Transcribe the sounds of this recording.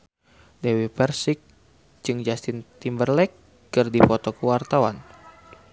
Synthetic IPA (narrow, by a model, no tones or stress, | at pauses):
dewipɛrsik̚ | d͡ʒɨŋd͡ʒast̪int̪imbərlɛkː | ɨrdifɔt̪ɔkəwart̪awan